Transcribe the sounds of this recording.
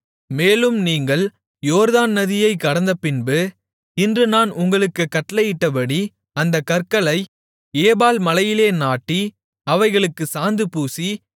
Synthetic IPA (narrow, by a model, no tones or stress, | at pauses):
meːlɯmniːŋɡɐɭ | joːɾðaːnːɐðɪjɐɪkːɐɽɐnd̪ɐpɪnbɯ | ɪndrɯnaːnʊŋɡɐɭɯkːɯkːɐʈːlɐjɪʈːɐpɐɽi | ɐnd̪ɐkːɐɾkɐɭɐɪ | eːbaːlmɐlɐjɪleːnaːʈːi | ɐʋɐɪɣɐɭɯkːɯsaːnd̪ɯpuːsi